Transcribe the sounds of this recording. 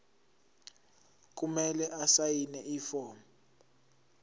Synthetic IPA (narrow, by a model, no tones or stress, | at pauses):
k̬ʼumɛlɛʔasajinɛʔiːfɔːm